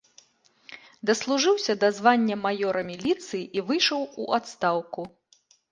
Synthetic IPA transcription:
d̪ɐslˠuʐɨwsʲɐd̪azvanʲːɐmajɔɾɐmʲilʲit̪sɨjiʔivɨjʂɐwuʔat̪st̪awku

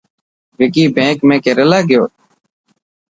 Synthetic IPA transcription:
ʋɪkiːbẽːkmẽːkeɾəlaːɡɪjoː

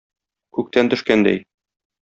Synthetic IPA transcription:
kʉk̚t̪ænt̪ɵ̆ʃkænd̪æ̰j

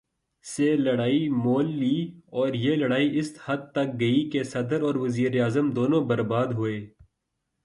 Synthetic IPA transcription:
selɐɽaːimoːlːiːɔːɾjelɐɽaːiʔɪshɐd̪̚t̪ɐk̚ɡɐikesɐd̪əɾɔːɾʋɐziːɾeaːzəmd̪oːnõbɐɾbaːd̪ɦʊeː

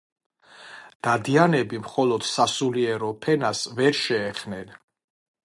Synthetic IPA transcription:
d̪̥ad̪ianɛbimχɔlɔd̪̥sasuliɛɾɔpʰɛnasvɛɾʃɛːχnɛn

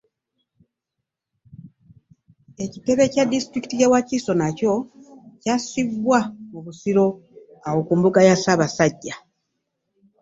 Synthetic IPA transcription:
e̞cite̞βe̞cadistɾiki̥tijawaciso̞naco̞casiβwamuβusiɾo̞ | awo̞kuːmbuɡajasaβasaɟːa

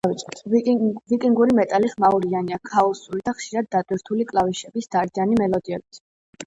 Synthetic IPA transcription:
vit̪ʼɛt̪ʰvikʼiŋɡuɾimɛt̪ʼaliχmauɾianiakʰaɔsulid̪aχʃiɾad̪ːat̪ʼwiɾt̪ʰulikʼlaviʃɛbisd̪̥aɾd̪ianimɛlɔd̪iɛbit̪ʰ

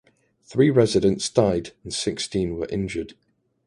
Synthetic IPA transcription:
θɹiːɹɛzɪdə̃ntsd̥aɪdə̃nsɪkstĩnwə̰ɹʔɪ̰̃nd͡ʒəd̥

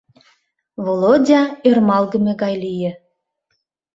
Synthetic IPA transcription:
βolˠodʲɑermɑlɡə̆mĕɡɑjlijɘ̆

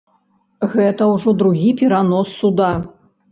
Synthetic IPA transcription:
ɣɛt̪ɐwʐɔd̪ɾuɣʲipʲɛɾanɔsːud̪a

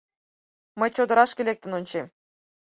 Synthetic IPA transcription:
məjt͡ɕod̪əɾɑʃkʲelʲek̚t̪ə̆nonʲt͡ɕem

